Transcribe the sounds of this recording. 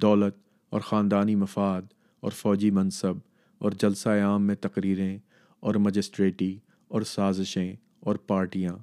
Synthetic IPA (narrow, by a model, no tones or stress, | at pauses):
d̪ɔːlət̪ | ɔːɾxaːnd̪aːnimɐfaːd̪ | ɔ̰ːɾfɔːd͡ʒimɐ̃nsəb̚ | ɔ̰ːɾd͡ʒɐlsaeaːmːẽt̪ɐqɾiːɾẽ | ɔːɾmɐd͡ʒɪsʈɾeːʈi | ɔːɾsaːzɪʃẽ | ɔːɾpaːɾʈijãː